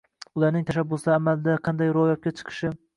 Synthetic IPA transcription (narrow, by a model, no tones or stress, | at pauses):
ʊlaɾnɪŋt̪ʰaʃabːʊsd̪aːmalɪd̪aqʰɑnd̪ajɾoɒjɒp̚kʲat͡ʃʰɨ̥qʰɨ̥ʃɪ